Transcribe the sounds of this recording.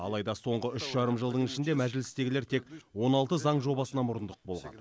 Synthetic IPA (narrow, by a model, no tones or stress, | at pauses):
ɑ̰lˠɑjd̪ɑso̞ɴʁəʔʏʃʒ̥ɑɾəmʒəlˠd̪əɴɪʃɪnd̪emæʒɪlɪst̪e̞ɡʲɪle̞ɾt̪ʰe̞kwo̞nɑlˠt̪əzɑɴʒo̞bɑsənɑmʊɾənd̪əq̚bo̞lˠʁɑ̰n